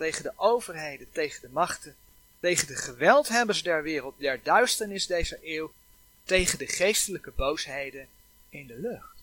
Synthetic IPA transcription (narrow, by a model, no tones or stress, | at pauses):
tejχəndəʔowvəɹɦejdəntejχəndəmɑχtən | tejχəndəχəʋɛlˠtɦɛbəsdɛɹʋɪːrəlˠt̚dɛɹdœɥstəɹnɪzdejzəʔɪːw | tejχəndəχejstələkəbowsɦejdən | ɪndəlɵχt